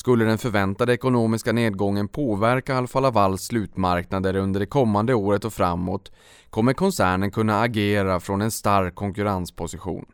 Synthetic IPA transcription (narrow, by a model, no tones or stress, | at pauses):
skɵlːəɖ̪ɛnfœɾvɛnt̪ad̪əɛkʊnoːmɪskaneːd̪̚ɡɔŋːənpʰoːvæɾkaalafalːavalːslʉ̟ːt̪maɾknad̪əɾɵnd̪əɖɛkʰɔmːand̪əoːɾət̪ɔfɾamːot̪ | kʰɔmːəɾkʰɔnsæːɳənkʰɵnːaːɡeːɾafɾɔnɛnst̪aɾkʰːɔŋkɵɾanspʰʊsɪɧṵːn